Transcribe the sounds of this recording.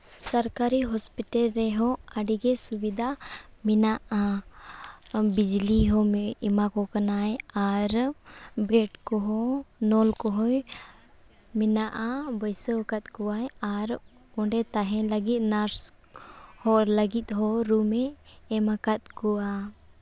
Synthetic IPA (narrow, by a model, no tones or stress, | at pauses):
saɾkaɾiɦɔspiʈalɾɛɦɔaɖiɡɛsubid̪ʱaminaʔa | bid͡ʒliɦɔɛmakɔkanajaɾbɛʈkɔɦɔnɔlkɔɦɔj | minaʔabɔjsəkat̪̚kuwajaɾ | ɔɳɖɛt̪aɦɛ̃ləɡit̪̚ˀnaɾs | hɔləɡit̪̚ɦɔɾumɛːmakat̪̚kuwa